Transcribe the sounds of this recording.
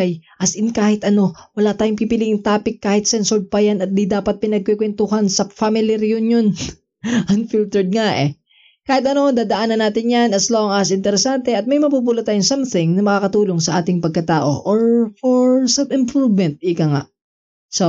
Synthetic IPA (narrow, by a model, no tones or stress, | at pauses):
ɐjʔɐsɪnkaːhɪt̪ʔɐno̞wɐlaːt̪aːjoŋpipɪliʔɪŋt̪aːpɪkːaːhɪt̪̚sɛnsoɹ̚pɐjanɐt̪̚d̪id̪aːpɐt̪̚pɪnɐɡ̚kwɛkwɛnt̪ʊɦansɐfamɪliɾɪjʊnjon | ʔɐnfilt̪ɛɹd̪̚ŋaʔɛ̰ | kaːhɪt̪ɐno̞d̪aːd̪ɐʔaːnɐnaːt̪ɪnjanɐsloŋɐsʔɪnt̪ɛɾɛsant̪ɛɐt̪̚mɐjmɐpupuːlɐt̪aːjʊŋsɐmθɪŋnɐmɐkaːkɐt̪uːloŋsɐʔaːt̪ɪŋpɐɡ̚kɐt̪aːʔo̞̰ʔoɹfɔɹsɐbɪmpɾuvmɛnt̪̚ɪkɐŋa̰ʔ | so